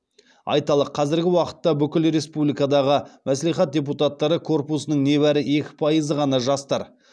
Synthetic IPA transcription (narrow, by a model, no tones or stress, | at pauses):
ɑ̰jt̪ɑlˠəqʰɑzɪɾɡʲɪwɑqə̥t̪ːɑbʏkʲɪlɾe̞spublijkad̪ɑʁəmʔæsleχɑt̪̚dʲe̞p̬ut̪at̪ːɑɾəkʰo̞rpusənəɴne̞βæɾɪe̞kʲɪ̥pʰɑjəzəʁɑnɑʒɑst̪ɑɾ